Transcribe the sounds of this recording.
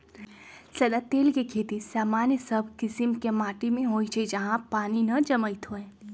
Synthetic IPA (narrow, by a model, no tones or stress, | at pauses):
səd̪at̪eːlkekʰeːt̪isaːmanjəsəbʱkɪsimkemaːʈimẽɦoːit͡ʃʰed͡ʒəɦãpaːninəd͡ʒəməit̪ʰɦoẽ